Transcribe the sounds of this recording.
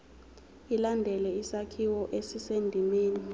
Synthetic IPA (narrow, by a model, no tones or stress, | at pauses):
ilandʱɛlɛisakʰiwɔʔesisendʱimeːni